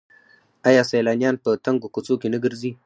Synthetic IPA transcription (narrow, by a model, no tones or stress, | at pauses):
ʔajasajlananpətɐŋɡukut͡sokiniɡɨɾzi